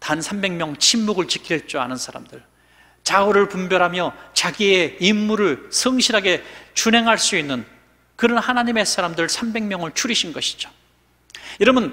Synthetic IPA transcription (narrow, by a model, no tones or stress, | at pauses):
tansʰambe̞ŋmjʌŋt͡ɕʰimːuɡɯɭt͡ɕikʰiɾeɭt͡ɕ͈ua̰nɯnsʰaɾa̰mdɯɭ | t͡ɕaoɾɯɭpumbjʌɾɦamjʌt͡ɕaɡie̞imːuɾɯɭsʰɯŋɕʰiɾɦaɡe̞t͡ɕunɦe̞ŋɦaɭs͈uinːɯn | kɯɾʌnhanaɲime̞sʰaɾamdɯɭsʰambe̞ŋmjʌŋɯɭt͡ɕʰuɾiɕʰinɡʌɕʰi̥d͡ʑo̥ | iɾʌmɯn